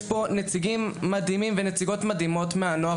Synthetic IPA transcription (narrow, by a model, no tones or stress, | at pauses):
po̞net͡siɡimːad̪imimvenet͡siɡo̞tmad̪imo̞tmeanoa